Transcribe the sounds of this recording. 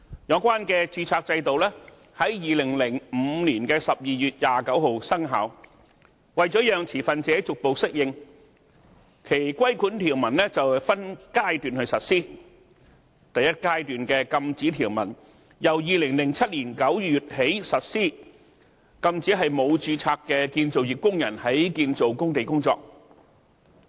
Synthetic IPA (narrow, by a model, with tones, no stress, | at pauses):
jɔ˨˧˥kʷaː˥nkɛː˧t͡syː˧t͡sʰaː˧k̚t͡sɐ˧jt̪o˨wlɛː˥ | hɐ˨˥jjiː˨lɪ˨˩ŋlɪ˨˩ŋm̩˨˧niː˨˩nkɛː˧sɐ˨p̚jiː˨jyː˨t̚jaː˨kɐ˨˥who˨˧wsɐ˥ŋɦa̰ː˨˥w | wɐ˨jt͡ʃɔː˨˥jœː˨˧ŋt͡sʰiː˨˩fɐ˨nt͡sɛː˨˥t͡sʊ˨k̚po˨wsɪ˥k̚jɪ˧ŋ | kʰe˨˩jkʷwɐ˥jkʰuː˨˥nt̪ʰiː˨˩wmɐ˨˩nlɛ˥t͡sɐ˨wfɐ˥nkaː˥jt̪yː˨nhɵ˧ɥsɐ˨t̚siː˥˩ | t̪ɐ˨jɐ˥t̚kaː˥jt̪yː˨nkɛː˧kɐ˧mt͡siː˨˥t̪ʰiː˨˩wmɐ˨˩n | jɐ˨wjiː˨lɪ˨˩ŋlɪ˨˩ŋt͡sʰɐ˥t̚liː˨˩nkɐ˨˥wjyː˨t̚he˨˥jsɐ˨t̚siː˥ | kɐ˧mt͡siː˨˥ɦɐ˨jmo˨˧wt͡syː˧t͡sʰaː˧kːɛː˧kiː˧nt͡so˨wji˨p̚kʊ˥ŋjɐ˨˩nhɐ˨˥jkiː˧nt͡so˨wkʊ˥ŋt̪e˨jkʊ˥ŋt͡sɔ̰ː˧k̚